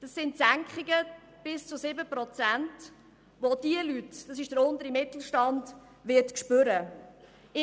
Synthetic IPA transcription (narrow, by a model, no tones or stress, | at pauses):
d̥ɑsːɪntsæŋkχɪɡə | b̥ɪst͡sʊsɪbəpɾɔt͡sænt | ʋod̥iəlytd̥ɑsɪʃd̥əɾʊnd̪əɾimɪt̪l̩ˠʃtɑnd | ʋɪɾtkʃpøɾə